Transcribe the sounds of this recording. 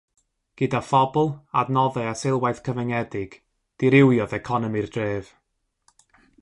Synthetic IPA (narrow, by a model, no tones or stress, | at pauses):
ɡ̥ɨdafɔbɔlˠadnɔðɛasɪlˠwajθkʰəvɛŋɛdɪɡ̥ | d̥ɪɾɪwjɔðɛkʰɔnɔmirdreːv̥